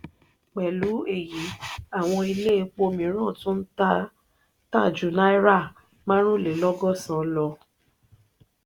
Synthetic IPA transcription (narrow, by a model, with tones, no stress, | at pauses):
k͡pɛ˨lu˨˦e˦˨ji˨˦a˦˨w̃ɔ̃˧i˧le˦k͡po˧mĩ˨˦ɾ̃ã˦˨tũ˦n̩˦ta˦ | ta˦˨d͡ʒu˨˦na˦i˦ɾa˦˨ | mã˦ɾ̃ũ˦le˨lɔ˦ɡɔ˦˨sã˨lɔ˧